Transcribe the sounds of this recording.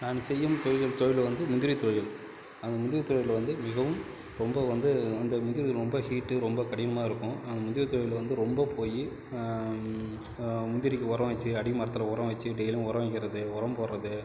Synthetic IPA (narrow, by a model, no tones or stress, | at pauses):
naːnɯsɛjːɯmt̪ɔɻɪðɐlt̪ɔɻɪlʋɐnd̪ɯmʊnd̪ɪɾit̪ojɪl | ɐnd̪ɐmʊnd̪ɪɾɪt̪ːɔɻɪlʋɐnd̪ɯmɪɣɐʋɯm | ɾɔmbɐʋɐnd̪ɯɐnd̪ɐmʊnd̪ɪɾɪɾɔmbɐhiːʈːɯɾɔmbɐkɐɽɪjnɐmaːɪɾɯkːʊ̃ɐnd̪ɐmʊnd̪ɪɾɪt̪ɔːɻɪlʋɐnd̪ɯɾɔmbɐpʰoːji | mʊnd̪ɪɾɪkːɯɔɾɐʋɐt͡ʃːɯɐɽɪmɐɾɐt̪ːɪlɐɔɾɐ̃ʋɐt͡ʃːɯɖɛɪlɐ̃ɔɾɐʋɐŋɡɪɾɐðɯɔɾɐmpoːɾɾɐðɯ